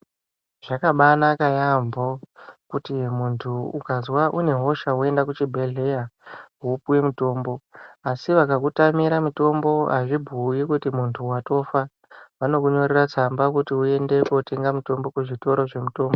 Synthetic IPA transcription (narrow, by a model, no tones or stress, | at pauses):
ʐ̥akaɓanakajambokutimuntʰuukazwaʔune̞ɦo̞ʃawue̞ndakut͡ʃibʱeɮe̞jaupuwemuto̞ːmbo̞asiʋakakutamiɾamuto̞mbo̞aʐibʱujikutimuntʰuwato̞fa | ʋano̞kuɲo̞rerat͡sambakutiue̞nde̞koteŋɡamuto̞mbo̞kuʐito̞ɾo̞ʐe̞muto̞ːmbo